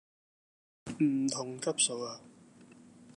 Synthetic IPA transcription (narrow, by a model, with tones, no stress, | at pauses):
m̩˨˩t̪ʰʊ˨˩ŋkʰɐ˦˥p̚so˨˧waː˨